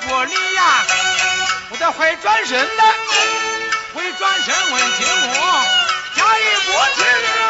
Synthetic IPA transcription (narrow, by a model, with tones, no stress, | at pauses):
kwɔ˨˩li˥˧ja˥˩ | wɔ˨˩d̪ə˧xwe˧˥ɪʈ͡ʂwa˥nʂə˧˥nd̪ə˧ | xwe˧˥ɪʈ͡ʂwa˥nʂə˧˥nwe˨˩t͡ɕʰɛ˧˥nmu˨˧˥t͡ɕja˥i˥˩kwɔ˧˥t͡ɕʰɛ˧˥˧